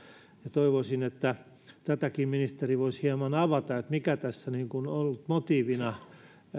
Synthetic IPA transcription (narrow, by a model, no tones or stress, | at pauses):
jɑt̪oiʋosinet̪ːæ | t̪æt̪ækiːmminist̪eriʋoishiemɑnɑʋɑt̪ɑet̪mikæt̪æsːæniŋkunolːut̪mot̪iːʋinɑ